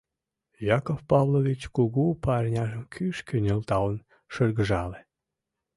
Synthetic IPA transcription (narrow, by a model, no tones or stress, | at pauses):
jɑkofpɑβlovʲit͡ɕkuɣupɑrʲnʲɑʒə̆mkʰyʃkønʲelt̪ɑwən | ʃərɣəʒɑle